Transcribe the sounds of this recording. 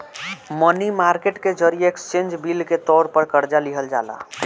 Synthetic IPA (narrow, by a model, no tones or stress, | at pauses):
mənimaɾkeʈked͡ʒəɾijəekst͡ʃẽnd͡ʒbilket̪ɔɾpəɾkəɾd͡ʒaliɦəld͡ʒa̰ːla̰